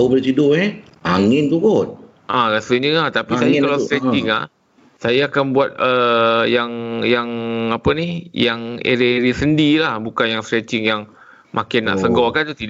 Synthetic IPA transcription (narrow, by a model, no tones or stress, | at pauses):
aubəlit̪idʊʔe | ʔaŋɪnt̪ukʊn | ʔakasuɲəŋat̪apisajakalawst̪ɾɛt͡ʃɪŋa̰h | sajaːkanbuat̪̚əjaŋjaŋapənihjaŋḛɾiɾisəndilahbukanjaŋst̪ɾɛt͡ʃɪŋjaŋ | mʔakɪnːa̰ʔsəɡɔkant̪ut̪idʔ